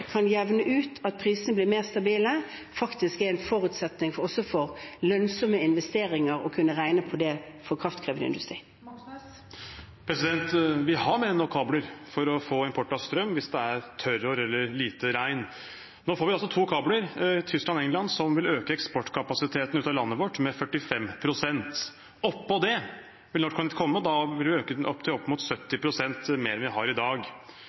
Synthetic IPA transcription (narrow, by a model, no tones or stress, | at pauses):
kʰɑnjɛʋnəʔʉːt̪ʰɑt̪̚pʰɾiːsənəblɪːmeːʁst̪ɑbiːlə | fɑkt̪ɪskɛɾɛnfɔɾʉt̪sɛt̪nɪŋɔsɔfɔɾlœnsɔməɪnʋɛst̪eːɾɪŋəɾɔkʰʉnːəʁæɪnəpʰɔd̪ɛ | fɔkʰʁɑft̪kʰʁeːʋəd̪ə̰ɪ̰nd̪ʉst̪ɾḭː | pʰɾɛsɪd̪ɛnt̪ʋɪhɑmeːɾnɔkʰɑːbləɾfɔɾɔfoːɪmpʰɔʈːɑʋst̪ɾœmːʋɪsd̪ɛæɾt̪ʰœɾoɾɛlːəɾliːt̪əɾæɪn | noːfoːɾʋɪɑlsɔt̪ʰuːkʰɑːbləɾt̪ʰʏsklɑnɛŋlɑnsɔmʋɪløːkəɛkspɔʈːkʰɑpɑsɪt̪ʰeːt̪n̩ʉːt̪ɑlɑnːəʋɔʈːmɛfœʈːɪfɛmːpʰɾʊsɛnt̪ | ɔpːɔd̪ɛ | ʋɪlnɔʂkʰɑnɪt̪kʰɔmːəɔd̪ɑʋɪlʋɪøːkəɔpːt̪ʰɪɔpːmʊt̪sœt̪ːɪpʰɾʊsɛnt̪meːɾɛnʋɪɦɑɾɪd̪ɑːɡ